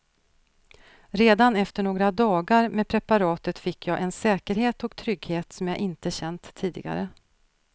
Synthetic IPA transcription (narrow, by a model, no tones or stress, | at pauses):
ɾeːd̪anɛft̪əɳoːɡɾad̪ɑːɡaɾmeːpʰɾɛpaɾɑːt̪ət̪fɪkːjɑːʔɛnsɛːkəɾɦeːt̪ɔkt̪ʰɾʏɡheːt̪sɔmjɑːʔɪnt̪əɕɛnt̪ʰːiːd̪ɪ̰ɡa̰ɾə̰